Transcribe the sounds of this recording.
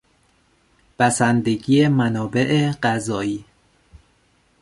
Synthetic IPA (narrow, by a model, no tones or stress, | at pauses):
b̥æsænd̪e̞ɟiːemænɒːbe̞ʔeɢæzɒːiː